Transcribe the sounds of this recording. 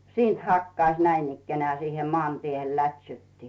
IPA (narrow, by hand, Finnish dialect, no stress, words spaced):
siːnt hɑkːɑĭsʲ næinikːenĕæˑ siːhem moɑˑntiehel lætʲsytːi